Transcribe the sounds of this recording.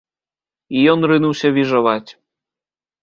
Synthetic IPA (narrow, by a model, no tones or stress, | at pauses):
ijɔnrɨnuwsʲɐvʲiʒɐvatʲ